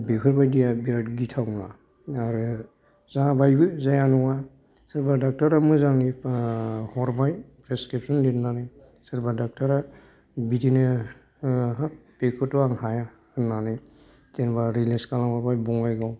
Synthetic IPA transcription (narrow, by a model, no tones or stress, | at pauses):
bekʰɯɾbajdijabiɾatɡitʰawnaː | ɾɯ | zabajbɯzajanɔŋa | sɯɾbadak̚taɾamɔjzaŋni | hɔɾbajpɾeskɾip̚sɔnlitnanɯj | sɯɾbadak̚taɾa | bitinɯ | pekʰɔtːɔaŋhaja | ɯnanɯj | tenbaɾileskalaŋhɔɾbajbɔŋajɡaw